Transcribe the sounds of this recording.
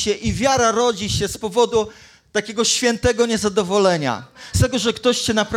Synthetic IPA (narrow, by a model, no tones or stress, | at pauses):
ɛʔivʲjaɾaɾɔd͡ʑiɕɛspɔvɔd̪u | t̪akʲɛɡɔɕfʲjɛnt̪ɛɡɔɲɛzad̪ɔvɔlɛɲa̰st̪ɛɡɔʐɛkt̪ɔɕt͡ɕɛnapɾ